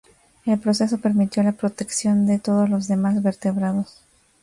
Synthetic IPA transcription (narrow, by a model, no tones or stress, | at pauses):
e̞lpɾose̞so̞pe̞ɾmit̪jo̞lapɾo̞t̪e̞ksjo̞nd̪e̞t̪o̞ð̞o̞zlo̞zðe̞mazβe̞ɾt̪e̞βɾaðo̞s